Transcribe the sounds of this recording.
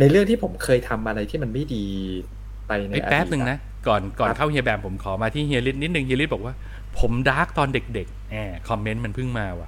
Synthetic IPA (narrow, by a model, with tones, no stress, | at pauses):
na˧jɾɯ˥˩əŋ̚t̪ʰiː˥˩pʰo˩˦mkʰɤː˧jt̪ʰa˧mʔa˧ɾa˧jt̪ʰiː˥˩ma˧nma˥˩jdiː˧ | pa˧jna˧ʔjʔa̰˧pɛː˦˥p̚nɯ˧ŋna˦˥ | kɔː˨˩nkɔː˨˩nkʰa˥˩wɦi˧ɐbɛː˨˩mpʰo˩˦mkʰɔː˩˦maː˧t̪ʰiː˥˩ɦi˧li˦˥t̪̚ni˦˥t̪̚nɯ˨˩ŋɦi˧l̚bɔ˨˩k̚waː˥˩ | pʰo˩˦mdaː˦˥k̚t̪ɔː˧nde˨˩k̚de˨˩k̚ʔaː˨˧˩kʰɔ˧mːe˦˥nma˧npʰɯ˥˩ŋmaː˧wa˨˩